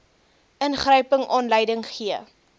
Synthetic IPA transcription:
ənχrœɥpəŋʔɑːnləjdəŋχiə

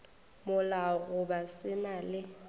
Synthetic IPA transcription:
mʊlaɣʊbasɪnalɪ

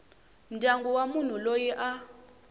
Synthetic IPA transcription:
m̩dʱaŋɡuwamun̤ulojiʔa

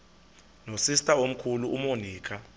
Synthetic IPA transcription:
nosistʼaom̩kʰuluʔumoniːkʰa

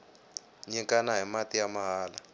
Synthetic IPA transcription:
ɲɛŋkʼanaɦimat̪ʼijamaɦaːla

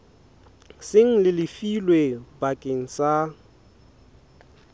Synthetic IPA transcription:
sɪŋ̩lɪlɪfilwebakʼeŋ̩sa

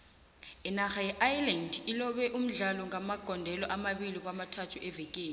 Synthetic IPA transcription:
ɛnaxajɛʔajlandilɔɓɛʔum̩ɮalɔŋamaɡ̥ʱɔndʱɛlɔʔamaɓilik̬wamatʰatʰuʔɛvek̬eːni

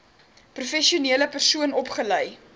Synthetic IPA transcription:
prufɛʃiuniələpərsuənɔpχələj

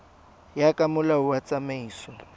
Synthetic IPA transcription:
jakʼamʊlauwat͡sʼamaiːsɔ

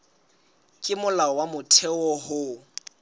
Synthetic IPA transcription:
kʼɪmʊlaɔwamʊtʰɛɔɦʊ

